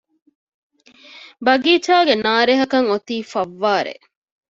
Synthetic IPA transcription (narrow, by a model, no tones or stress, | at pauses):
bɐɡiːt͡ʃaːɡenaːɾeɦɐkɐŋot̪iːfɐʋːaːɾḛ